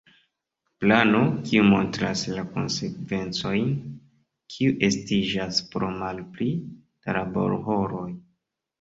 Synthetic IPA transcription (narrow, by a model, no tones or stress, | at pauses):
plano̞kiumo̞ntɾa̰slako̞̰nse̞kve̞nt͡so̞jn | kʰiuʔe̞stid͡ʒaspɾomalpli | d̥alabo̞̰ɾho̞ɾo̞j